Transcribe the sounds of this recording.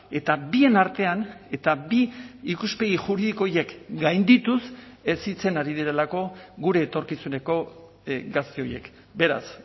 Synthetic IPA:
e̞t̪abie̞naɾt̪e̞ane̞t̪abiːkuspe̞ɣ̞iʝuɾiðiko̞je̞kɡajnd̪it̪use̞sit͡se̞naɾiðiɾe̞lako̞ɣuɾe̞ːt̪o̞ɾkisune̞ko̞ | ɡast̪eo̞je̞̰k | be̞ɾa̰s

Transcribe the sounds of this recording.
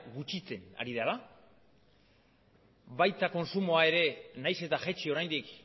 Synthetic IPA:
ɡut͡ʃit͡se̞na̰ɾiðala | βajt̪ako̞nsumo̞ae̞ɾe̞najse̞t̪aʝe̞t͡ʃio̞ɾajnd̪ik

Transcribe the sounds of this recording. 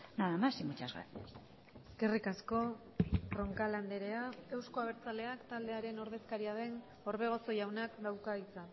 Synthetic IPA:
naðamasimut͡ʃazɣa̰t̪ | eske̞rikasko̞ | ro̞ŋkaland̪e̞ɾe̞aewsko̞aβ̞e̞ɾt͡sale̞akt̪ald̪e̞aɾe̞no̞ɾð̞e̞skaɾiaðe̞n | o̞ɾβe̞ɣ̞o̞so̞jawnakd̪awkait͡sa

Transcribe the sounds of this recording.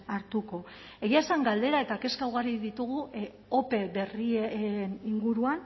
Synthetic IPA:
aɾt̪uko̞ | e̞ɣiaesaŋɡald̪e̞ɾae̞t̪ake̞skawɣaɾiðit̪uɣ̞u | ope̞βe̞rieniŋɡuɾuan

